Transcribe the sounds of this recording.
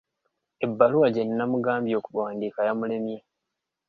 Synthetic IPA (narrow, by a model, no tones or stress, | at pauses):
e̞bːaluwaɟenːamuɡaːmbjo̞ːkuβwaːndiːkajamule̞mje